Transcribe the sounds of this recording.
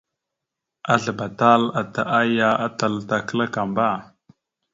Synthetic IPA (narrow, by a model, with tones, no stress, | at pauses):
a˦ɮə˨ba˨ta˦la˨ta˨ʔa˦ja˦a˦ta˨lta˨kə˦la˦ka˨mba˦˨